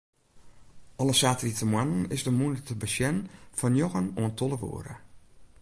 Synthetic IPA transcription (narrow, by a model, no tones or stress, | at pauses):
ʔɔləsaːtritəmwanənɪsdəmunətəbəsjɛnfɔnjoɣənoəntʰolˠəʋṵəɾə̰